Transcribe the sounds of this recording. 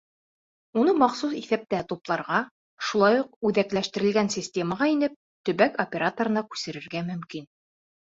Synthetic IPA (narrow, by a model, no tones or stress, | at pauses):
unɤmɑqsusiθæp̚t̪æt̪uplˠɑɾʁɑ | ʃulˠɑjuq̚ʉðæklæʃt̪ɘ̆ɾɘ̆lɡænsʲisʲtʲe̞məʁɑinɘp̚ | t̪ɵ̆βækopʲeɾat̪oɾɤ̆nɑkʉ̥sɘ̆ɾɘ̆ɾɡæmɵ̆mkin